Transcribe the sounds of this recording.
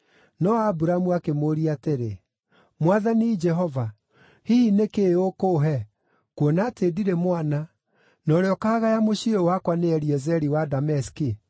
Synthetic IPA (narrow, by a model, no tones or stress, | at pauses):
nɔabuɾamuakemoɾiateɾe | mwaðanid͡ʒɛɦɔva | hiinekeokoɦɛ | kuɔnatediɾemwana | nɔɾeɔkaɣajamoɕiowakwaneɛɾiɛzɛɾiwadamɛski